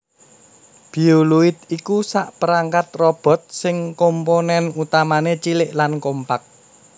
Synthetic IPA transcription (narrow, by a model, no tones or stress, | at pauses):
b̥i̤uluɪt̪̚ikusaʔpəɾaŋkat̪̚rɔb̥ɔ̤t̪̚sɪŋkomponɛnut̪amanet͡ʃilɪʔlankompak̚